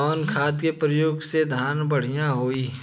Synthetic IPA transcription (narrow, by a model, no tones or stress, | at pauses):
ɔːnkʰaːt̪kepɾəjoːɡsed̪ʱaːnbəɽ̤ijãɦoːiː